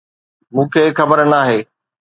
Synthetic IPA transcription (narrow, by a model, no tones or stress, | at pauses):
mũːkʰeːxɐbəɾnaːɦeː